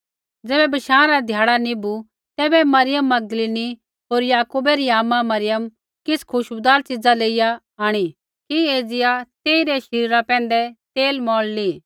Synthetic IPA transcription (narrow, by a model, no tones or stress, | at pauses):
d͡zɛːbɛbɐʃãːɾad̪ʱjaːɽanĩbu | t̪ɛːbɛmɐɾɪjəmːɐɡ̚d̪əliːni | ɦoːɾjaːkuːbɛɾiaːmãmɐɾɪjəm | kɪskʰʊʃbd̪aːɾt͡sɪd͡zaleːɪja | aːɽ̃i | kieːd͡zɪjat̪eːiɾɛʃɐɾiːɾapɛ̃ːn̆d̪ɛt̪eːlmɔːɭli